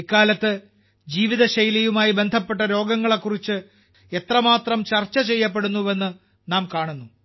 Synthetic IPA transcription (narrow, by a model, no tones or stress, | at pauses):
ikːaːlɐt̪ːɨ | d͡ʑiːʋiðɐɕɐjlɐjumaːjibe̞nd̪ʱɐpːe̞ʈ̬ːɐɾo̞ːɡɐŋːɐɭekːurit͡ɕːɨ | e̞t̪rɐmaːt̪rɐmt͡ɕɐrt͡ɕːɐt͡ɕe̞jːɐp̬ːe̞ɽunːuʋe̞nːɨ | naːmkaːɳunːu